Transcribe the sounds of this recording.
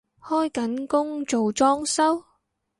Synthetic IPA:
hɔː˥jkɐ˨˥nkʊ˥ŋt͡so˨wt͡ʃɔː˥ŋsɐ˥w

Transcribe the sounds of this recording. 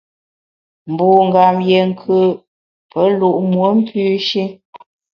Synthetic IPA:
m̩˨bu˨ŋ̩˨ɡa˨mje˨ŋ̩˨kʰə˦˨ | pə˦lu˦˨ʔmwə˨˦m̩˦pʰʉ˦ʃi˦

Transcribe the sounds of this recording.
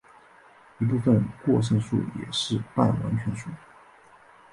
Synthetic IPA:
i˧˥p̬u˥˩fə˧nkwɔ˥˧ʂ̬ə˥˧ŋʂṵ˥˩jɛ̰˨˩ʂɻ̩˥˧pa˥˩nwa̰˧˥nt͡ɕʰɥɛ˧˥nʂu˥˩

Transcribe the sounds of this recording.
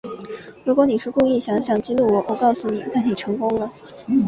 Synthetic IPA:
ɻu˧˥kwɔ˧˥ni˨˩ʂɻ̩˥˧kʊ˥˧ŋi˥˩ɕjɑ˧˥ŋɕjɑ˨˩˦ŋt͡ɕi˥lu˥˩wɔ˨˥wɔ˨˩˦kɑ˥˩ʊsu˨˩nḭ˨˩na˥˩ni˨˩ʈ͡ʂʰɤ˧˥ŋkʊ˥ŋlə˨

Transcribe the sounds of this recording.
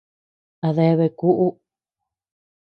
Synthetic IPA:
a˧ðe˧βe˧ku˦ʔu˦

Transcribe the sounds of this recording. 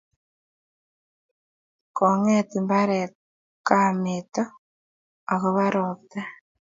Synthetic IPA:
ko˨ŋetimba˦ɾe | kamitoː˦˨ | ɣo˨βa˦ɾota˦

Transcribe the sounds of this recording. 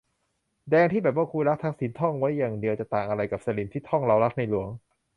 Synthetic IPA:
dɛː˧ŋt̪iː˥˩bɛː˨˩p̚waː˥˩kʰuː˧ɾa˦˥k̚t̪ʰa˦˥k̚si˩˦nt̪ʰɔ˥˩ŋwa˦˥jːaː˨˩ŋdi˧əwt͡ɕa˨˩t̪aː˨˩ŋʔa˧ɾa˧jka˨˩p̚sa˧li˨˩mt̪iː˥˩t̪ʰɔ˥˩ŋɾa˧wɾa˦˥k̚na˧jlu˩˦əŋ

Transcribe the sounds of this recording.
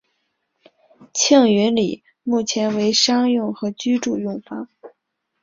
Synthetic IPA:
t͡ɕʰjɑ˥˩ŋɥy˧˥nlḭ˨˩˦ | mu˥˩t͡ɕʰjɛ˧˥nwe˧˥ɪʂɑ˥ŋjʊ˥˩ŋxɤ˧˥t͡ɕy˥ʈ͡ʂu˥˧jʊ˥˩ŋfɑ˥ŋ

